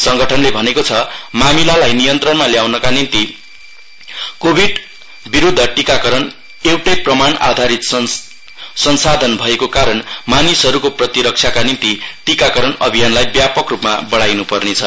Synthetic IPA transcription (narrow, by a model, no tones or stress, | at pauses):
sʌŋɡʌʈʰʌnlebʱʌnekot͡sʰʌmamilalajnijʌnt̪rʌnmaljawnʌkanint̪i | kobʱiɖ | biɾud̪ʱːʌʈikakʌɾʌn | ewʈʌjprʌmana̰d̪ʱaɾit̪ | sʌnsad̪ʱʌnbʱʌekokaɾʌnmanisʌɾukoprʌt̪iɾʌk̚t͡sʰakanint̪iʈikakʌɾʌnʌbʱijanlajbjapʌkrupma̰bʌɽajnupʌrnet͡sʰʌ